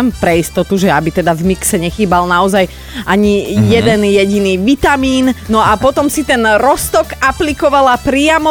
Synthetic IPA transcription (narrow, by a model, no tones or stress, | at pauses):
mpɾɛist̪ɔt̪uʒɛabit̪ɛd̪avmiksɛɲɛxiːbalnaɔzaj | ʔaɲijɛd̪ɛnjɛɟiniːʋit̪amiːnnɔapɔt̪ɔmsit̪ɛnɾɔst̪ɔkaplikɔʋalapɾɪamɔ